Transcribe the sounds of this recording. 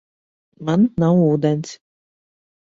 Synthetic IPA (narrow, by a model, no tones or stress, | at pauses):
mannːawuːd̪ɛns